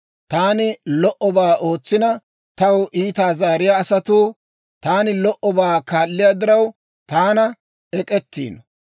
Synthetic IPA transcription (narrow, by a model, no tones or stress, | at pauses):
t̪aːnɪlɔʔɔbaːʔo̞ːt͡sːɪnɐ | t̪ɐwʔiːt̪aːzaːɾɪjaːsɐt̪uː | t̪aːnɪlɔʔɔbaːkaːlːɪjaːd̪ɪɾɐw | t̪aːnɐ | ɛkʼɛt̪ːḭːnɔ